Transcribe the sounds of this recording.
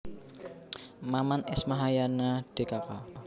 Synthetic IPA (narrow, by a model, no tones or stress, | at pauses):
mamanɪsmaɦajanaɖ̥e̤kaka